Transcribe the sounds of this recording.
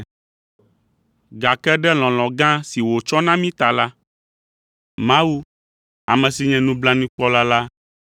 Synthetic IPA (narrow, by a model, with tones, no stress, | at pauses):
ɡa˨kɛ˦ɖɛ˦l̃ɔ̃˨lɔ̃˨ɡã˦si˨wo˨t͡ʃɔ˦nã˦mĩ˦t̪a˨la˦ | mã˦wu˦ | a˨mɛ̃˨si˨ɲɛ̃˦nũ˦bla˦nĩ˦k͡pɔ˦la˦la˦